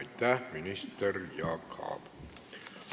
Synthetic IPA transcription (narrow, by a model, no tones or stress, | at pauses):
it̪ːæːminist̪erjɑːkʰɑ̰ːp